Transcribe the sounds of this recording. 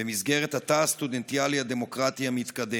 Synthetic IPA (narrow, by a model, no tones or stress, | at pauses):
ɛmizɡɛɾɛt̪at̪ast̪ud̪ɛnt̪ialijad̪ɛmokɾat̪ijamiːt̪kad̪ɛ